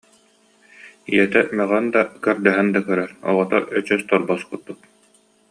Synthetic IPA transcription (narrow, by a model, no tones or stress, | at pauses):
iɛt̪ɛmɛʁɛnd̪akœɾd̪ɛɦɛnd̪akœɾœɾɔ̰lɔt̪ɔʔœt͡ɕœst̪ɔɾbɔskuːut̪̚